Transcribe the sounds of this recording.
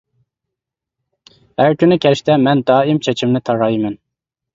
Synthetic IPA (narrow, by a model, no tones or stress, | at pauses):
hæɾkʲynɪkʲʰɛlɪʃt̪ʰɛmɛnd̪ɑːimt͡ʃʰɛt͡ʃʰimnɨt̪ʰɑɾɑjmɛn